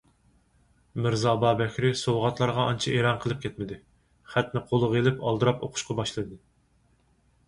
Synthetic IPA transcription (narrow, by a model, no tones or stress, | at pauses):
mɪɾzɑbɑːbɛkʲɾɪsowʁɑt̪lˠɑɾʁɑʔɑnt͡ʃʰiʔeɾɑnqʰəlˠɨp̚kʲʰɛt̪̚mɪd̪ɪ | χæt̪nɪqʰolˠʊʁelɪpɑlˠd̪ɨɾɑpo̰qʰʊ̥ʃqɑbɑʃlˠɨd̪ɨ